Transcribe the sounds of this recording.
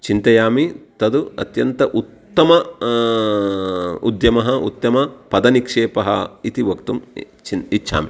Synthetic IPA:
t͡ʃint̪ɐjaːmit̪ɐd̪uɐ̰t̪jɐnt̪ɐʔut̪ːɐmɐ | ṵd̪jɐmɐɦɐut̪ːɐmɐpɐd̪ɐnikʂeːpɐɦɐ̰it̪iʋɐkt̪um | t͡ʃiitːt͡ʃʰa̰ːmi

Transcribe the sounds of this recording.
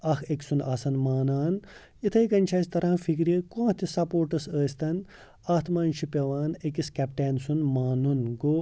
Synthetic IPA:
ɐxʰekʲsunaːsɐnmaːnaːn | it̪ʰɐjkɐnʲt͡ʃʰɐːsʲt̪ɐɾãːfikɾjekõːt̪ʰisɐpoːɾʈɐsəːsʲt̪ɐn | aːt̪ʰmaːnt͡ʃʰipʲɐʋaːnekiskʲɛpʈeːnsunmaːnunɡoː

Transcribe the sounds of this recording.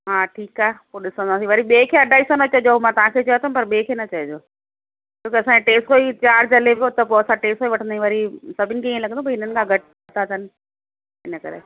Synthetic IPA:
ɦaːʈʰiːkaːepoːɗɪsə̃nd̪aːsiʋɐɾiɓeːkʰeːɐɖʱaːiːsãnɐt͡ɕɐed͡ʑomãt̪ɐʋ̤ãkʰeːt͡ɕɐjat̪ʰəmpɐɾɓeːkʰenɐt͡ɕɐed͡ʑoː | t͡ɕõːkiɐsãd͡ʑeʈeːsʈkoːit͡ɕaːɾd͡ʑɐleʋot̪ɐpoɐsãʈeːsʈkoːiʋɐʈʰə̃nd̪aːĩʋɐɾisɐbʱɪnɪ̆kʰeːiːẽlɐɡə̃op̬ːɪn̤ənɪ̆kʰãɡʱɐʈ̚ | t̪ʰaːt̪ʰənɪ̆ | ɪnəkɐ̰ɾḛ

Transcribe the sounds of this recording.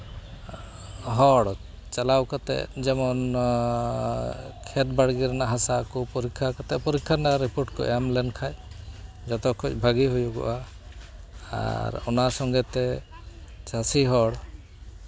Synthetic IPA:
ɦɔɽ | t͡ʃalawkat̪ɛ̰d͡ʒɛmɔn | kʰɛt̪baɽɡiɾnaɦasakupɔɾikʰːakat̪ɛpɔɾikʰːanaɾipuɾʈkɔ̰ʔɛmlɛnkʰaj | d͡ʒɔt̪ɔkʰːɔt͡ʃbʱaɡiɦujuɡɔ̰ʔa | a̰ɾɔnasɔŋɡɛt̪ɛ | t͡ʃasiɦɔɽ

